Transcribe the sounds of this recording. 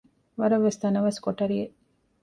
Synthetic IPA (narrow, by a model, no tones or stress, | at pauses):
ʋɐɾɐʋːest̪ɐnɐʋɐskoʈɐɾie